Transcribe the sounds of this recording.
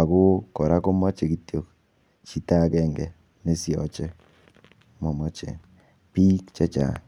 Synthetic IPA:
a˨ko˦kɔ˨ɾa˦ko˦ma˦t͡ʃe˨ki˨tjo˨k̚ | t͡ʃi˦ta˦kɛ˦˨ŋɡɛ˨ | ne˦sjɔ̰˨t͡ʃɛ˦ | mɔ˨mɔ˦t͡ʃḛ˨ | pi˦kt͡ʃɛ˦t͡ʃa̰˨

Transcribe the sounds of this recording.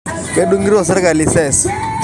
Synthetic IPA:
ke˦du˦ŋɡi˦ɾɔ˨sɪ˦ɾɪ˦ka˨li˦˨sɛ˦˨s

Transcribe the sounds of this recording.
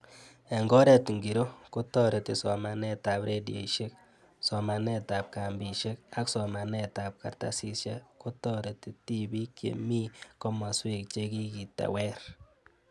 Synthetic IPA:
e˨ŋɡɔ˦ɾe˨tŋɡi˨ɾo˦ku˦tɔ˦ɾe˨ti˨sɔ˨ma˨nɛ˦ta˨pɾe˦djḛ˨iʃe˦k̚ | sɔ˨ma˨nɛ˦ta˨p̚ka˨mbi˨ʃe˦ka˦ksɔ˨ma˨nɛ˦ta˨p̚ka̰˨rta˦si˦ʃa˦ku˦tɔ˦ɾe˨ti˦ti˦bi˦kjḛ˨mi˦kɔ˦ma˨swi˦k̚t͡ʃe˦ki˦ki˨ta̰˨wɛ˦ɾ

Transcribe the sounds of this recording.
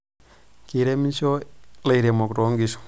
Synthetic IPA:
ki˨ɾe˦mi˦nso˦la˨i˨ɾe˨mo˨kɾo˨˦ŋɡi˦su̥˨

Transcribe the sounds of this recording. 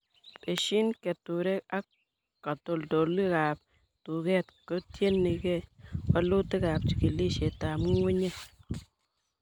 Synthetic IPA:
be˨ʃi˦nke˨t̪u˨ɾe˦a˦ | ka˨t̪o˧ld̪o˨lːi˦ɡa˨p̚ | t̪u˨ɡe˦t̪ko˦t̪je˦nːi˨ɡe˦wa˦lu˦t̪ə˦ɡa˨p̚t͡ʃi˨ki˨li˦ʃe˨t̪a˨m˦wu˦ɲe˦

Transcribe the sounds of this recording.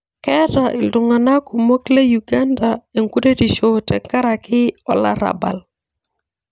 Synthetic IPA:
kɛ˦taʔɪ˨ldʊ˨ŋa˨na˦ku˨mo˦kle˦ju˨ɡa˦nda˨e˨ŋku˦de˦ti˨ʃo˨tɛ˨ŋka˦ɾa˨kɪ˦ɔ̰˨la̰˦ɾa̰˨ba̰˨l

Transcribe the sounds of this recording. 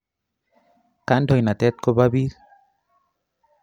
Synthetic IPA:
ka˦ndɔ˨jna˨t̪ɛ˦t̪̚ko˦ba˦bi˦ɾ

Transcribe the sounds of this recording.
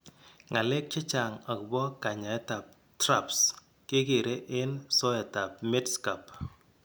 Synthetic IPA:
ŋa˨le˦k̚t͡ʃɪ˦t͡ʃa˨ŋa˨kbɔ˦ka˨ɲa˨ɛ˦ta˨p̚ | tɾa˦˨ps | kɪ˦ke˨ɾe˦ʔe˦nsɔ˦ɛ˨ta˨p̚me˦tska˨p

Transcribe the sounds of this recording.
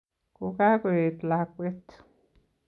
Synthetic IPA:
ku˨ka˦ke˨t̪la˨kʷe˦t̪

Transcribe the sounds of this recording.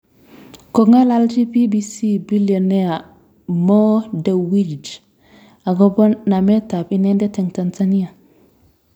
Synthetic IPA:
ko˨ŋa˦lald͡ʒi˦pi˦bi˨si˦bi˦lio˨ne˦a˨ | mo˦da˨wi˦d͡ʒ | a˨ɡo˦bo˦nːa˨me˦ta˨pi˦ne˦nde˦te˨ŋta˨nza˦ni˦a˨

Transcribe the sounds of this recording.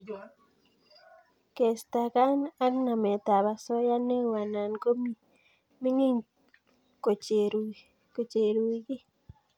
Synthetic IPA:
ke˨st̪a˨ka˦na˦kna˨mɛ˨t̪a˨ba˨sɔ˦ja˦ne˦wa˨na˨nko˦mi˦ | mɪ˦ŋi˦ɲ | ko˨t͡ʃeɾ | ko˨t͡ʃe˨ɾu˨i˦ɡɪ˦

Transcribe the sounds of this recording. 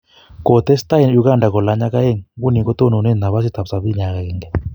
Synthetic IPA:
ko˨t̪ɛ˦st̪a˦i˨nju˦ɡa˦˨nda˨kɔ˨la˨˦ɲa˦ka˦e˦˨ŋɡu˦ni˨kɔ˦t̪o˦no˨ne˦na˨βa˦s̬i˦t̪a˨psa˨βi˦ɲa˨ka˨kɛ˨ŋɡɛ˦˨

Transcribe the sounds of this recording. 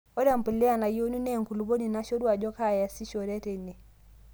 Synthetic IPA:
o˦ɾa˦˨m˨pə˨lɪ˦a˦˨na˨jo˦nu˦nɛ˦˨ŋku˨lu˨bo˦ni˨na˦ʃo˦ɾwa˨d͡ʒɔ˦ka˦˨ja˨si˦ʃo˨ɾɛ˦te˨ne˨

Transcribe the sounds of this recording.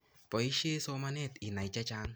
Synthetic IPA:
pɔ˨i˦ʃe˦so˦ma˦nɛ˦˨ti˨na˨t͡ʃa˦t͡ʃa˦ŋ

